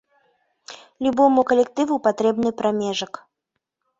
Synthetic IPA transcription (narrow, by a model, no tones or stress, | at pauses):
lʲubɔmukɐlʲɛk̚t̪ɨvupat̪ɾɛbnɨpɾamʲɛʐɐk